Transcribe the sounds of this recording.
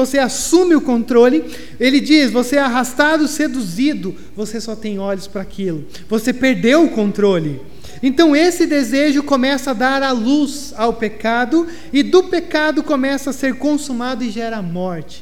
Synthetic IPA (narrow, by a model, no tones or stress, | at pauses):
oseasũmɪʊkõnt̪ɾolɪ | elɪd͡ʒisvoseɛaɦast̪ad̪ʊsed̪uzid̪ʊ | vosesɔt̪ẽj̃ɔʎʊspɾɐakʰilʊ | vosepeɾd̪ewʊkõnt̪ɾolɪ | ẽt̪ɐ̃w̃esɪd̪ezeʒʊkomɛsɐad̪aɾaluz | awpekad̪ʊ | ɪd̪ʊpekad̪ʊkomɛsɐaseɾkõsumad̪ʊɪʒɛɾɐamɔɾt͡ʃɪ̥